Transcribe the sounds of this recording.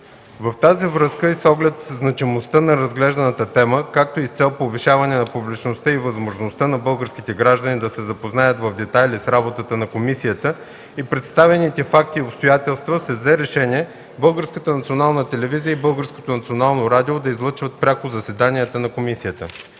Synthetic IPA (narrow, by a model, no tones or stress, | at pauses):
vɐft̪azivɾəskəisɔɡlɛt̪znɐt͡ʃimost̪ənɐɾɐzɡlɛʒd̪ɐnət̪ət̪ɛməkak̚t̪oist̪sɛlˠpoviʃavɐnɛnɐpublit͡ʃnost̪əivɐzmoʒnost̪ənɐbɤlˠɡəɾsk̟it̪ɛɡɾaʒd̪ənid̪ɐsɛzɐpoznajət̪vɐvd̪ɛt̪ajlʲisɾabot̪ət̪ənɐkomisijət̪ə | ipɾɛt̪st̪avɛnit̪ɛfak̚t̪iopst̪ojat̪ɛlˠst̪vəsɛvzɛɾɛʃɛniɛ | bɤlˠɡəɾskət̪ənɐt̪sionalˠnət̪ɛlɛvizijəibɤlˠɡəɾsko̥t̪onɐt̪sionalˠnoɾad̪iod̪ɐizlˠət͡ʃvət̪̚pɾʲakʊzɐsɛd̪aniət̪ənɐkomisijət̪ə